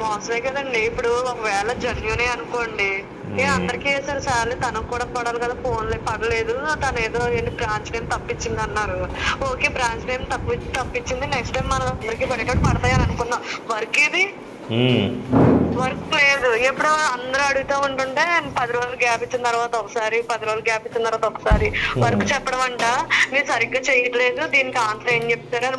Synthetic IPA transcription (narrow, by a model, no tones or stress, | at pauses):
mɔːsɐlɐjkɐd̪ɐleːpuɽuɔkɐʋɛːɭɐd͡ʒɐnjuneːɐnuko̞ːɳɖi | eːɐnd̪ɐɾikieːsaːɾusaːlːit̪ɐnɐkːuːɽaːkɔːɽaːlikɐd̪aːpoːnlepɐɽɐle̞ːd̪ut̪ɐnɐeːd̪ɾoːeːlːibɾaːɲt͡ʃneːmt̪ɐpːit͡ʃːind̪iɐnːaːɾuoːke̞ːbɾaːɲt͡ʃʈejmt̪ɐpːit̪ɐpːit͡ʃːind̪ineksʈɐjmːɐnɐɐnd̪ɐɾikiːbɐɾikɐʈpɐɽɐt̪aːjaːnɐnukunːaːmʋɐɾɐkeːd̪i | ʋɐɾɐkule̞ːd̪uepːuɽuɐnd̪ɐɾɐɐɽuɡit̪o̞ːuɳʈuɳʈe̞ːpɐd̪iɾoːluɡaːpit͡ʃːint̪ɐɾʋaːt̪ɐɔkɐsaːɾipɐd̪iɾoːlɡaːpit͡ʃːint̪ɐɾʋaːt̪ɔkːɐsaːɾiʋɐɾɐkut͡ʃɛpːɐɽɐmɐɳʈaːmiːɾusɐɾiɡːaːt͡ʃejɐʈ̪le̞ːd̪ud̪iːnikiaːnt̪ɾɐme̞ːɲd͡ʒep̚t̪aːɾɐd̪i